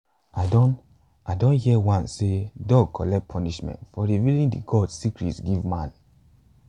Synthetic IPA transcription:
adɔ̃n | adõnhiɛwãnsedɔɡ̚kʰɔlɛk̚pʰɔniʃmɛ̰̃ntfɔɹivilĩndiɡɔdsikɹḭtsɡivmãn

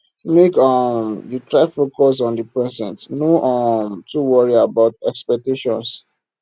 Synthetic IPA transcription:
mekɔmditɹaɪfokɔs̬ɔ̃ndəpɹɛsɛ̃ntnoʔɔmtuwɔɹiabaʊtɛkspɛk̚teʃɔ̃ns

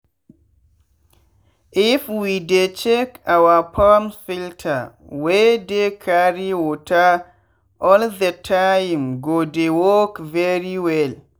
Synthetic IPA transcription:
ʔifwidet͡ʃekawapʰamsiltʰa | wedekʰaɾiwɔtʰa | ʔɔldətʰajmɡodewɔkvɛɾiwɛl

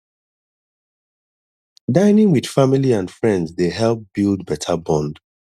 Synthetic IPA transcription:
dãɪnɪ̃ŋwid̥familiãndfɹɛ̃ndzdeɦɛlˠp̚b̥ilˠdbɛtʰəbɔ̃nd̥

